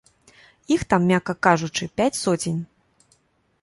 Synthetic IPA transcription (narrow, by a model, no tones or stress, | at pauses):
ixt̪amːʲakɐkaʐut͡ʂɨpʲat͡sʲsɔd͡zʲenʲ